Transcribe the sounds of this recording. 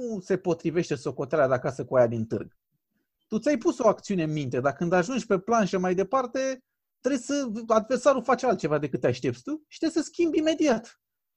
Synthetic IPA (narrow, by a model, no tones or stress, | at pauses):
nuse̞po̞t̪ɾive̞ʃt̪e̞so̞ko̞t̪aɾead̪eakasəkuajad̪int̪ɨ̰rɡ | t̪ut̪sʲajpuso̞akt̪siune̞ɨnmint̪e̞d̪akɨnd̪aʒund͡ʒʲpe̞planʃəmajd̪e̞part̪e̞ | t̪ɾejsəad̪ve̞rsaɾufat͡ʃalt̪̚t͡ʃe̞vad̪e̞kɨt̪ːeaʃt̪e̞p̚t̪sʲt̪uʃi̥t̪ɾesəskʲimbime̞d̪iat̪